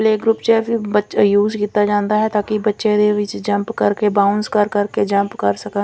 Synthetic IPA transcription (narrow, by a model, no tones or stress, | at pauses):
leːɡɾuːpt͡ʃɛːbibət͡ʃajuːzkiːt̪ːad͡ʒãːnd̪aːɦɛt̪aːkibətːʃẽd̪eʋɪt͡ʃd͡ʒə̃mpkəɾkebaːʊnskəɾkəɾked͡ʒəmpkəɾsəkə